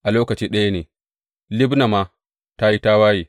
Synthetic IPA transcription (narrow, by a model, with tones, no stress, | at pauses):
ʔa˨loː˦kɐ˨t͡ʃiː˦ɗɐ˦ja˦neː˨ | lɪ˦bna˨ma˦ | ta˦ji˦ta˦waː˦jiː˨